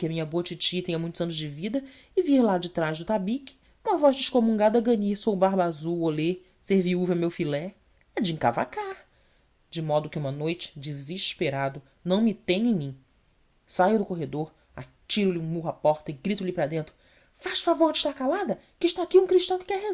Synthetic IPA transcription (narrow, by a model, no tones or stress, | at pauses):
kɪɐmĩɲɐboɐt͡ʃit͡ʃit̪ẽj̃ɐmũj̃t̪ʊzɐ̃nʊzd͡ʒɪvid̪ɐ | ɪviɾlad͡ʒɪt̪ɾaʒd̪ʊt̪abikɪ̥ | ũmɐvɔʒd͡ʒɪʃkomũŋɡad̪ɐɡɐ̃ɲiɾsowbaɾbazuwole | seɾviuvɐɛwmewfilɛ | ɛd͡ʒɪĩka̰va̰kaɾ | d͡ʒɪmɔd̪ʊkɪũmɐnojt͡ʃɪ̥d͡ʒiziʃpeɾad̪ʊ | nɐ̃w̃mɪt̪ẽj̃ẽj̃mĩ | sajʊd̪ʊkoɦed̪oɾ | a̰t͡ʃiɾʊlɪũmuɦapɔɾt̪ɐɪɡɾit̪ʊlipɾɐd̪ẽnt̪ɾʊ | faʃfavoɾd͡ʒɪʃt̪aɾkalad̪ɐ | kɪʃt̪aakiũkɾiʃt̪ɐ̃w̃kɪ̥kɛɦez